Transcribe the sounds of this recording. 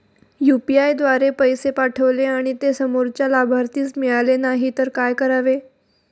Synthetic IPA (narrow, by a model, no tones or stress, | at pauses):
jupiajd̪ʋaɾepəjsepaʈʰəʋleaɽ̃it̪esəmoɾt͡ɕjalabʱaɾt̪iːt͡smiɭalenaɦit̪əɾkajkəɾaʋe